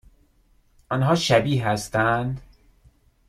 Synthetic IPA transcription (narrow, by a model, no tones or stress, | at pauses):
ʔɒnɦɒːʃæbiːhæst̪ænd̪